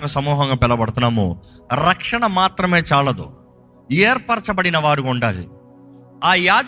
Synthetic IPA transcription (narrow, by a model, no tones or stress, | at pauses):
kɐsɐmuːɦɐŋɡaːpɛlːɐbɐɽut̪unaːmo̰ː | ɾɐkʂɐɳɐmaːt̪ɾɐme̞ːt͡ʃaːlɐd̪ṵ | eːɾpɐɾt͡ʃɐbɐɽinɐʋaːɾukɔɳɖaːlḭ | aːjaːd͡ʒ